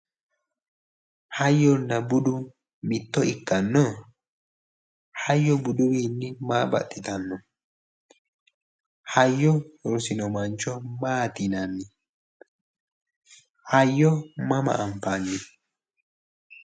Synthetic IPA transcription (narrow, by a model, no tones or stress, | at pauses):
hɐjːɔnːɐbʊd̪ʊn | mɪt̪ːɔɪkːɐnːɔ | hɐjːɔbʊd̪ʊwiːnːɪmaːbɐ̰t̪ːɪt̪ɐnːɔ | hɐjːɔhɔɾsɪnɔmɐnt͡ʃɔmaːt̪ɪnɐnːɪ | hɐjːɔmɐma̰ʔːmpanːɪ